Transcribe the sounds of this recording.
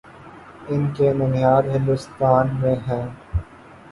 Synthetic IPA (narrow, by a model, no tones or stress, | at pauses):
ɪnkebʊnjaːd̪ɦɪ̃nd̪ʊst̪aːnmẽɦɛ̃ː